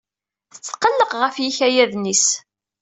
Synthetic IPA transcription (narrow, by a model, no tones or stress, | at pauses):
θə̥t͡sːqːəlːəqʁəfjiçæjæðnis